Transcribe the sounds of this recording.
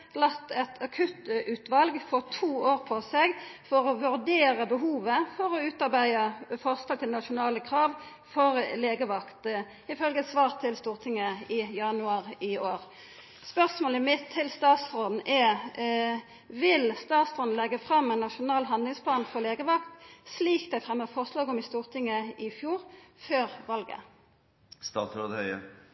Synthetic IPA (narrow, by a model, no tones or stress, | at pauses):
lɑt̪ːɛt̪ʰɑkʰʉt̪ʉːt̪ʋɑlɡfɔt̪ʰuːoːʁpʰɔsɛɡfɔʁɔʋʉɾd̪eːɾəbəɦuːʋəfɔɾɔʉːt̪ɑʁbæɪəfɔʁslɑːt̪ɪlnɑʃʊnɑːləkʰɾɑːʋ | fɔɾleːɡəʋɑkt̪ | ɪfœlɡəsʋɑːʁt̪ʰɪlst̪uːʁt̪ʰɪŋːəɪjɑnʉɑːʁɪoːɾ | spœʁsmoːləmɪt̪ʰːɪlst̪ɑːt̪sfʁɔd̪n̩ʔɛ | ʋɪlst̪ɑːt̪sfʁɔd̪n̩lɛɡːəfʁɑmːɛnːɑʃʊnɑːlɦɑnd̪lɪŋspʰlɑːnfɔʁleːɡəʋɑkt̪sliːkd̪ɛfʁɛmːəfɔʁʂlɑːɡɔmɪst̪uːʁt̪ʰɪŋːəɪfjuːʁføːʁʋɑlɡə̰ | st̪ɑːt̪sɾoːd̪hœʏə̰